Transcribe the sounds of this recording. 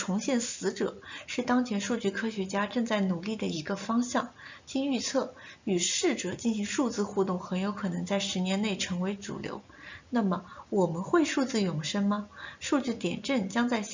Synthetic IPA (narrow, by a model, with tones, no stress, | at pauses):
ʈ͡ʂʰʊ˧˥ŋɕjɛ˥˩nsɹ̩˧˥ʈ͡ʂɤ̰˨˩˦ʂɻ̩˥˩t̪ɑ˥ŋt͡ɕʰjɛ˧˥nʂu˥˧t͡ɕy˥˩kʰɤ˥ɕɥɛ˧˥t͡ɕja˥ʈ͡ʂɤ˥˧ŋt͡sa˥˩ɪnu˨˩li˥˩d̪ə˩i˧˥ɡə˧fɑ˥ŋɕjɑ˥˩ŋ | t͡ɕi˥ny˥˧t͡sʰɤ˥˩y˨˩ʂɻ̩˥˩ʈ͡ʂɤ˨˩t͡ɕi˥˩nɕi˧˥ŋʂu˥˧t͡sɹ̩˥˧xu˥˧t̪ʊ˥˩ŋxə˧˥njo˧˥ʊkʰɤ˨˩nɤ˧˥ŋt͡sa˥˩ɪʂɻ̩˧˥njɛ˧˥nne˥˩ɪʈ͡ʂʰɤ˧˥ŋwe˧˥ɪt͡sṵ˨˩ljo̰˧˥ʊna˥˩mə˩wɔ˨˩mə˦nxwe˥˧ɪʂu˥˧t͡sɹ̩˥˩jʊ˨˩ŋʂə˥ŋmɐ˧ʂu˥˧t͡ɕy˥˩t̪jɛ̰˨˩nʈ͡ʂə˥˩nt͡ɕjɑ˥ŋt͡sa˥˩ɪ